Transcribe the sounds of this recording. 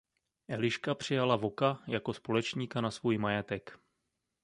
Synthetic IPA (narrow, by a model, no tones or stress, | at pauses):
ʔɛlɪʃkapr̝̥ɪjalavo̞kajako̞spo̞lɛt͡ʃɲiːkanasvuːjmajɛt̪ɛk